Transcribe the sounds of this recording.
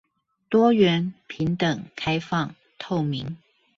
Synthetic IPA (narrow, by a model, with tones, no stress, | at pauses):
t̪wɔ˥ɥɛ˧˥npʰi˨˥ŋt̪ə˨˩ŋkʰa˥ɪfɑ˥˨ŋ | t̪ʰo˥˩ʊmi˧˥˦ŋ